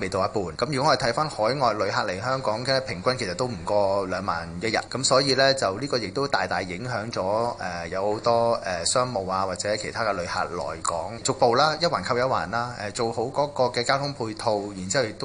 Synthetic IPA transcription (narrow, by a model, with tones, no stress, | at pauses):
me˨jt̪o˧wjɐ˥t̚puː˨nkɐ˨˥mjy˨˩kɔ˥ŋː˧˨˩t̪ʰɐ˨˥jfaː˥nhɔː˨˥jŋɔː˨jlɵ˨˧ɦaː˧t̚le˨˩jɦœː˥ŋkɔː˨˥ŋkɛː˧pʰɪ˨˩ŋkʷɐ˥nkʰe˨˩sɐ˨t̪ːo˥wm̩˨˩kɔː˧lœː˨˧ŋma̰ː˨njɐ˥t̚jɐ̰˨t̚kɐ˨˥msɔː˨˥jiː˧lɛː˥t͡sɐ˨wliː˥kɔː˧jɪ˨k̚t̪o˥wt̪aː˨jt̪aː˨˩jːɪ˨˥ŋɦœː˨˥ŋt͡sɔː˨˥ɛː˨jɐ˨˧who˨˧˥wt̪ɔː˥ɛ˨˩sœː˥ŋmo˨˩waː˧waː˨t̚t͡sɛː˨˥kʰe˨˩jt̪ʰaː˥kɛː˧lɵ˨˧ɥha̰ː˧t̚lɔ̰ː˨˩jkɔ̰ː˨˥ŋt͡sʊ˨k̚po˨˧wlaː˥jɐ˥t̚waː˨˩nkʰɐ˧w̚jɐ˥wa̰ː˨˩nlaː˥ʔɛː˨˩t͡so˨who˨˥wkɔː˨˥kɔː˧kɛː˧kaː˥wt̪ʰʊ˥ŋpʰuː˧jt̪ʰo˧wjiː˨˩nt͡si˥hɐ˨wjɪ˨kt̪o˥